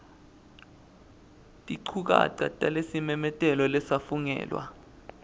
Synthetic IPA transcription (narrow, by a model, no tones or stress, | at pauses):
tʼiǀʰuk̬a̰ǀa̰tʼalesimɛmɛtʼɛlɔlɛsafuŋɛ̰ːlwa̰